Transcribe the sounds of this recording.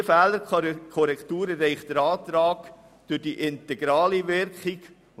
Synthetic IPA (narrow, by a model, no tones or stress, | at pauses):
fæːləɾkʰɔɾɛkt̪uːɾərːɛɪχtd̥əɾɑːt̪ɾɑːk | d̥ørd̥iʔɪntɛɡɾɑːliʋɪɾkχiɡ̥